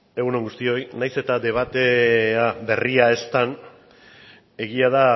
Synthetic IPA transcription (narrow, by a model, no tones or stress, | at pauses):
e̞ɣuno̞ŋɡust̪io̞jnajse̞t̪aðe̞β̞at̪e̞abe̞riae̞st̪an | e̞ɣ̞iað̞a